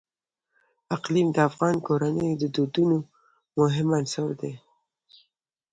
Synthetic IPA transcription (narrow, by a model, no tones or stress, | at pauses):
aqlimd̪əafɣɑnkoɾanəjd̪əd̪od̪uno | mʊɦɪmansəwd̪e